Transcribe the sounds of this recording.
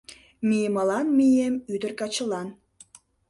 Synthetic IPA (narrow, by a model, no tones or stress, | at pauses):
mimɑlɑnmijemyd̪ə̆rkɑt͡ɕə̆lɑn